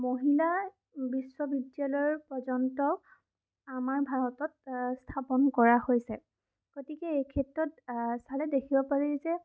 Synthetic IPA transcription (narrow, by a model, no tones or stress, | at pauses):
moɦila | biswɔbidjalɔɹpɔzɔntɔ | amaɹbʱaɹɔtɔt̚stʰapɔnkɔɹahojsɛ | ɡ̥otikɛejkʰɛtɹɔtsalɛdekʰibɔpaɹizɛ